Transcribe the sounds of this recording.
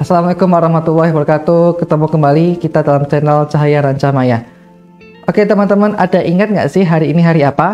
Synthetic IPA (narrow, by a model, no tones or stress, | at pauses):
asalamalekʊmwaɾɑhmat̪ulːahibəɾkat̪ukət̪əmukəmbalikit̪adalamt͡ʃɛnəlt͡ʃaɦajaɾaɲt͡ʃamaja | ʔoket̪əmant̪əmanadaʔiŋat̪̚ŋɡa̰ʔsɪhɦaɾiːniɦaɾiapa